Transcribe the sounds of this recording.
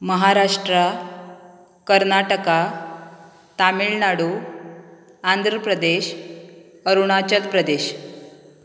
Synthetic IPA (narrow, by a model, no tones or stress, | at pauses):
məɦaɾaʂʈɾə | kəɾnaʈəka | t̪amiɭnaɽu | and̪ʱɾəpɾəd̪eɕ | əɾuɳ̃at͡ɕəlpɾəd̪eɕ